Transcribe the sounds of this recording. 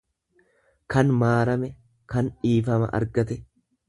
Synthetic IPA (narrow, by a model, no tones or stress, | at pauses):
kɐnmaːɾɐmɛ | kɐnᶑiːfɐmɐ̰ʔɐ̰ɾɡɐt̪ɛ